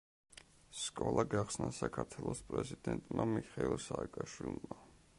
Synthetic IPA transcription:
skʼɔlˠʔaɡaχsnasakʰaɾt̪ʰwɛlˠɔspʼɾɛzid̪ɛnt̪ʼmamiχailˠsaːkʼaʃwilˠma

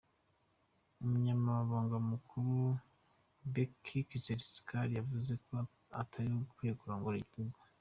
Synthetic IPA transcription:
umuɲamaβaβaːŋɡamukʰuɾu | bekʰikit͡ʃeɾisi̥kʰaɾjavuze̞ko | a̰tʰaɾikwejekuɾoːŋɡoɾiɟihuɡu

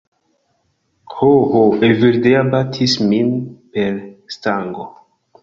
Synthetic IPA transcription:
hohoeviɾdeabatʰisminpeɾstaŋɡo

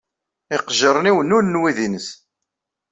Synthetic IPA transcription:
ɪqʒəɾˤniwənulnwiðinəs

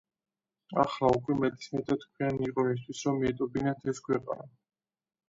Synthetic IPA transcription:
aχlaukʼwɛmɛd̪ʼismɛt̪ʰat̪kʰwianiqʼɔis̬t̪ʰwisɾɔmiɛt̪ʼɔbinat̪ʰɛskʰwɛqʼa̰na

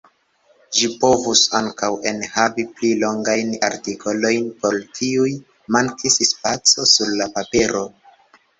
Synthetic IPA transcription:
ʒipo̞vusaŋkawe̞nhaviplilo̞ŋɡajna̰ɾtikʰo̞lo̞jnpo̞ltʰiuj | maŋkʰisspat͡so̞suɾlapapeɾo̞

